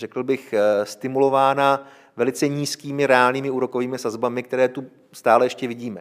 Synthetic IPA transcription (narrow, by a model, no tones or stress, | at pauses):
rɛkl̩bɪxst̪ɪmulo̞vaːna | vɛlɪt͡sɛɲiːskiːmɪɾɛaːlniːmɪuːɾo̞ko̞viːmɪsazbamɪkt̪ɛɾɛːt̪u | st̪aːlɛjɛʃcɛvɪɟiːmɛ